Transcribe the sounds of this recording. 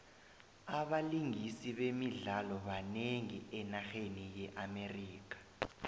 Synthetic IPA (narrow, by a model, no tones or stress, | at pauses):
aɓaliŋisiɓemiɮalɔɓaneŋiʔɛnaxenijɛʔameriːk̬ḁ